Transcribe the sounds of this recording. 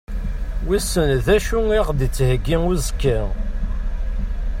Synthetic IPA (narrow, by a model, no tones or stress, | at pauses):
wisənðæʃuiʁd̪it͡sːhəɡːiŋʊzkːæ